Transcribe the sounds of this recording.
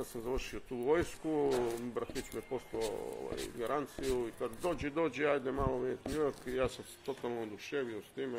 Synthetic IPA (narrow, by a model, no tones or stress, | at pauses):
asamzaʋr̩ʃiot̪uːʋojskubɾaxit͡ʃmiepo̞slaoo̰ʋa̰jɡaɾant̪sijuikad̪d̪o̞ːd͡ʑɛd̪o̞ːd͡ʑɛajd̪emaːloʋit̪niakijaːsamse̥t̪o̞t̪alˠnood̪uʃeːʋiost̪iːme